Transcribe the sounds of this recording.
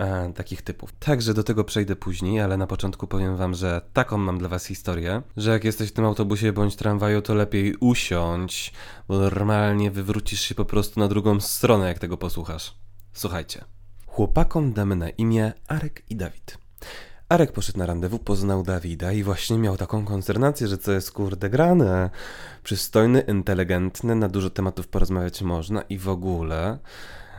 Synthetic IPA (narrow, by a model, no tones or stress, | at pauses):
at̪akʲixt̪ɘpṵft̪ʰaɡʐɛd̪ɔt̪ɛɡɔpʂɛjd̪ɛpuʑɲejalɛnapɔt͡ʂɔnt̪kupɔvʲjɛmvamʐɛt̪akɔ̃w̃mamd̪lavasxʲist̪ɔɾjɛʐɛjakjɛst̪ɛɕft̪ɘmawt̪ɔbuɕ̬ɛbɔɲt͡ɕt̪ɾanvajut̪ɔlɛpʲjejuɕɔɲt͡ɕ | bɔnɔɾmalɲɛvɘvɾut͡ɕiʂɕɛpɔpɾɔst̪unad̪ɾuɡɔ̃w̃st̪ɾɔnɛjakt̪ɛɡɔpɔswuxaʂswuxajt͡ɕɛxwɔpakɔmd̪amɘna̰ʔimʲjɛʔaɾɛkid̪avʲit̪ | aɾɛk̚pɔʂɛt̪naɾand̪ɛvupɔznawd̪avʲid̪aivwaɕɲɛmʲjawt̪akɔ̃w̃kɔnst̪ɛɾnat̪sʲjɛʐɛt̪sɔjɛst̪kuɾd̪ɛɡɾanɛpʂɘst̪ɔjnɘʔint̪ɛlɛɡɛnt̪nɛnad̪uʐɔt̪ɛmat̪ufpɔɾɔzmavʲjat͡ɕmɔʐna̰ʔivɔɡulɛ